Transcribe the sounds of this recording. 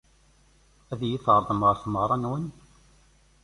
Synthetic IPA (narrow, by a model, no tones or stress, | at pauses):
æðjiθəɾˤðˤəmʁəɾθmʁɾˤɑnwən